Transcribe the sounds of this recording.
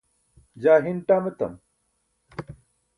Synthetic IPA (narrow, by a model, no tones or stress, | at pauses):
d͡ʑaːɦinʈaːmet̪ɐ̰m